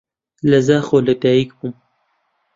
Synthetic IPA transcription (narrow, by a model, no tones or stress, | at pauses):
lɐzaːxolɐt̪aːikbum